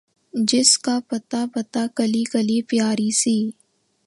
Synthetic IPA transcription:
d͡ʒɪskapɐt̪apɐt̪aːkɐlikəliːpjaːɾisiː

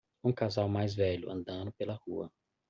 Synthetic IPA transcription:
ũkazawmajzvɛʎʊɐ̰̃nd̪ɐ̃nʊpelɐhuɐ̰

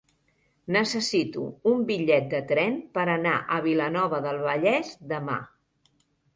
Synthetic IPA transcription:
nəsəsit̪ṵumbiʎɛt̪̚d̪ət̪ɾɛnpəɾəna̰ʔəβ̞ilənɔβəðəlˠβəʎɛzd̪əma̰

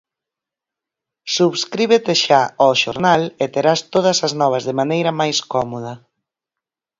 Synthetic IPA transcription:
suβskɾiβ̞et̪eʃaɔʃo̰ɾnalɪt̪eɾast̪oð̞ɐsɐznɔβ̞ɐzðɪmanejɾɐmajskɔmoðɐ

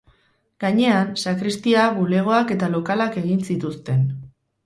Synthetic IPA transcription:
ɡaɲe̞ansakɾist̪iaβule̞ɣ̞o̞ake̞t̪alo̞kalake̞ɣ̞insit̪ust̪e̞n

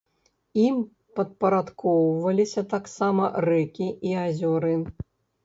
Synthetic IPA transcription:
im | pɐt̪̚pɐɾat̪kɔwvɐlʲisʲɐt̪aksamɐrɛkʲiʔiazʲɔɾɨ

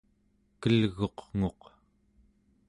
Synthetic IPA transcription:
kəlɣo̞qŋo̞q

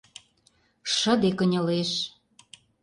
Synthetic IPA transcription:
ʃə̆d̪ekə̆nʲɤ̆leʃ

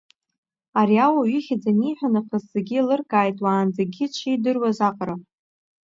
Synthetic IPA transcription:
aɾiawaɥiχʲad͡zaniːħʷᶣanaqʰəzzeɡʲilɨrkʼaːjtʼwaːnd͡zaɡʲit͡ʃʷʰijdɨrwazaqʼɾa

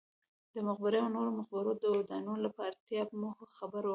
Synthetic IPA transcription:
d̪̥əmʊɣbɪɾeawnoɾomʊxbɪɾod̪əwad̪ɑnunolapɑɾat̪jɑbmohxabaɾwa

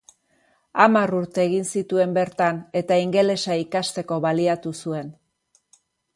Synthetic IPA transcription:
amaruɾt̪e̞ːɣinsit̪ue̞mbe̞ɾt̪ane̞t̪aiŋɡe̞le̞saikast̪e̞ko̞βaliat̪usue̞n

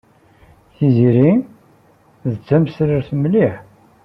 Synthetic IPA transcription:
θiziɾi | ðət͡sːæmsləɾθmliħ

